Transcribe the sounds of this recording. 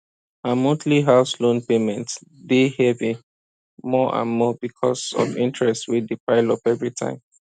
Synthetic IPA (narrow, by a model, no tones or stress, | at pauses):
amotʰliɦaʊslõnpemɛ̃ntdehɛvĩ | mɔʔã̰nmɔbikʰɔ̰sɔ̰vḭ̃ntɹɛstwidipaɪlɔpɛvɹitʰã̰ɪ̃m